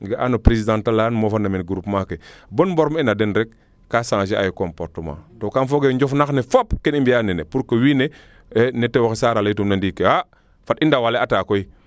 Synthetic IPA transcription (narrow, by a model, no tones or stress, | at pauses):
ɡaʔanopɾesidãntalanmofanamenɡuɾupmakebonbɔɾminadenɾɛkː | asaŋt͡ʃia̰jkompoɾtəmã̰tokanfoɡeɲɟofnaxnefopkenimbijanenepuɾkowiːne | enetewoxesaːɾaljtumnandiːkewa | fatindawaleataːkoi